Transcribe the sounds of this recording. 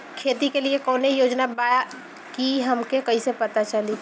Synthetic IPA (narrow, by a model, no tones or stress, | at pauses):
kʰeːt̪ikeliekɔːneijoːd͡ʒnabaːja | kiɦɐmkekɐisepɐt̪at͡ʃəli